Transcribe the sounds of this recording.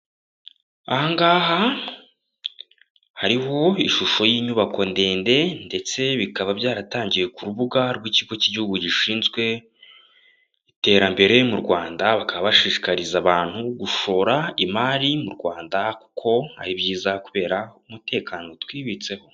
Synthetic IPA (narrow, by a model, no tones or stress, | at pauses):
ahaŋɡaːha | haɾiho̞iʃuʃo̞jiːɲuβako̞nde̞ːnde̞nde̞t͡se̞βikaβabɟaːɾataːɲɟije̞kuɾuβuɡaɾɡwiciɡo̞ciɟihuɡuɟiʃiːnzɡwe̞ | ite̞ːɾambe̞ɾe̞muɾɡwaːndaβakaβaβaʃiʃi̥kaɾizaβaːn̥huɡuʃo̞ːɾaimaɾimuɾɡwaːndaku̥kʰo̞a̰ɾibɟiːzakuβe̞ːɾaumute̞ːkano̞twiːβit͡se̞ho̞